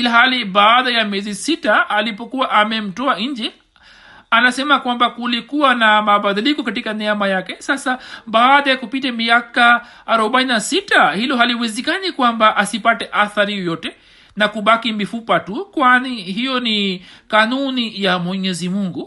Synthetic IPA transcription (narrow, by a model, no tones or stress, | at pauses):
ilaɦaliɓaːɗajamjɛzisitaːlipɔkuwaʔamɛm̩tɔaɲ̩d͡ʒɛ | anasɛmakwambakulikuwanamaɓaðilikɔkatikanɛamajakɛsasaɓaːɗajakupitɛmiakaː | ɾɔɓaininasitahilɔɦaliwɛzɛkanikwambaʔasipatɛʔaθaɾijɔjɔtɛ | nakuɓakimifupatukwaniɦijɔnikanunijamwɛɲɛzimuŋɡu